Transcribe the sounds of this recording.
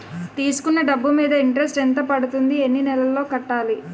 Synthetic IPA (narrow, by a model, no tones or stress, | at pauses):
t̪iːsu̥kunːɐɖɐbːumiːd̪ɐiɳʈɾes̬ʈent̪ɐpɐɽut̪und̪ie̞nːinɛlɐlːo̞ːkɐʈːaːli